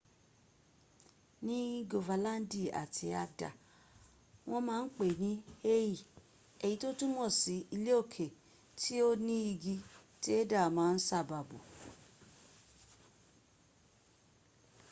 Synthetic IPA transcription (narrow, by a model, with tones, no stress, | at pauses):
nĩ˦ɡo˧va˨˧lã˦n˦di˦˨a̰˨tʰi˧˦a˧da̰˨ | w̃ʔɔ̃˧mãː˦˧n̩˦k͡pe˨nĩ˨˦e˦ji˦˨ | ɛ˨ji˨˧˦to˦tũ˦mɔ̃˦˨si˨˦i˧le˦o˦˨kʰe˨ | tʰi˦o˦nĩ˦i˧ɡi˧ti˦e˦da˦˨mãː˨˦˧n̩˦sa˦˨ba˨bṵ˨